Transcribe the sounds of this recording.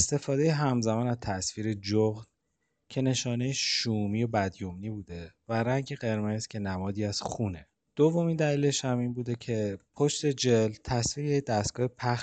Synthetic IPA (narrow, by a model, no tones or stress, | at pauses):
est̪e̞fɒːd̪e̞jeɦæmzæmɒːnæzt̪ʰæsviːɾed͡ʒoɣd̪ | cʰe̞ne̞ʃɒːne̞jeʃuːmiːo̞bæd̪jomniːbuːd̪e̞væɾæŋɟeɣe̞ɾme̞z̥cʰe̞næmɒːd̪iːæz̥xuːne̞ | d̪̥ovo̞miːnd̪æliːle̞ʃhæmiːnbuːd̪e̞cʰe̞pʰoʃt̪e̞d͡ʒe̞lt̪ʰæsfiːɾejecd̪æst̪̚ɡ̥ɒːhepʰæx